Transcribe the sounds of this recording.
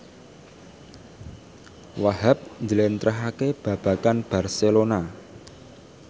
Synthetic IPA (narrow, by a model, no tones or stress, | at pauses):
waɦap̚ɲd͡ʒəlent̪ɾəɦakeb̥ä̤b̥ä̤kanb̥a̤rselona